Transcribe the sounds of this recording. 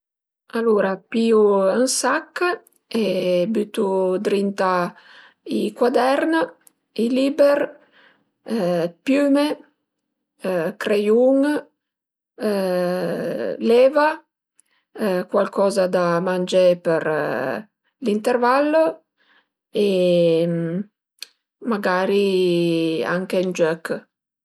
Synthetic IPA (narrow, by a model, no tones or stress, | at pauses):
alːuɾapiuənsakː | ebyt̪ud̪ɾint̪a | ikwad̪ɛɾn | iliːber | pjyːme | kɾejuŋ | lɛːva | kwalkʰɔːzad̪amand͡ʒepeɾ | lint̪ervalːo | em | maɡaːɾi | a̰ŋkeind͡ʒøk